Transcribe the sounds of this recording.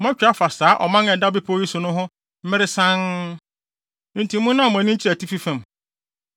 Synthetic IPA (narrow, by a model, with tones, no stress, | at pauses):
mã˦t͡ɕᶣa˦fa˨saː˨˦ʔɔ̰˨mã˦nɛ̃˨da˦bɪ˦pʰːi˦sʊ˨nʊ̃˦ɦʊ̃˦ | m̩˦ɪ˦ɾɪ˦sã˦n | n̩˨tʰi˨mũ˦nːã˦˨ɔ˨m˨ã˨nĩ˦ɲ˦t͡ɕʰi˦æ˨tʰi˦fi˦fɛ̃˨m